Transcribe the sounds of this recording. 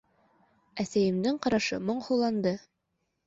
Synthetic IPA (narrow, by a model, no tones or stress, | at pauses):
æsæjɘ̆md̪ɘɴqɑɾɑʃɤ̰mŏɴhŭlˠɑnd̪ɤ